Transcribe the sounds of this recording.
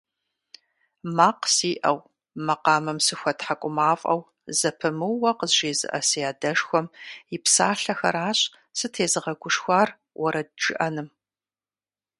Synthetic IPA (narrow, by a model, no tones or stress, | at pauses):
maːqsiːʔɐw | mɐqɑːmɨmsɨxʷɐtħakʷʼʊmaːfʼɐ̰w | zɐpʰɨmɨwwːɐqəzʒeːzɨ̰ʔɐsɨjaːdɐʂxʷɔmjipsaːɬɐxɐ̰ɾaːɕʼ | sɨtʰeːzɨʁɐɡʷʊʂxʷɑːr | wʔɔɾɐd̚d͡ʒʼɨ̰ʔɐnɨm